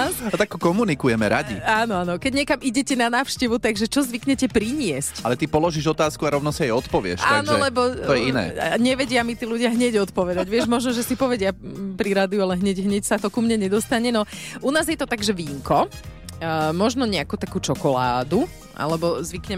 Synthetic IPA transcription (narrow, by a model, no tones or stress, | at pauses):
t̪akːɔkɔmunikujɛmɛɾa̰ɟḭaːnɔaːnɔkɛɟɲɛkamiɟɛcɛnanaːwʃcɛʋut̪aɡʒɛt͡ʃɔzʋikɲɛcɛpɾiɲɪɛscalɛt̪ipɔlɔʒiʒɔt̪aːskuaɾɔʋnɔsiɛjɔt̪pɔʋɪɛ̰ʃtaːnɔɛlɛbɔt̪ɔjɛinɛ̰ːɲɛʋɛɟɪamit̪iːluɟɪaɦɲɛɟɔt̪pɔʋɛd̪aɟʋɪɛʒmɔʒnɔʒɛsipɔʋɛɟɪapɾiɾaːd̪iualɛɦɲɛɟɦɲɛcsat̪ɔkumɲɛɲɛd̪ɔst̪aɲɛnɔʔunaːzjɛt̪ɔt̪aɡʒɛʋiːŋkɔ | mɔʒnɔɲɛakut̪akuːt͡ʃɔkɔla̰ːd̪u | ʔa̰lɛbɔzʋikɲɛm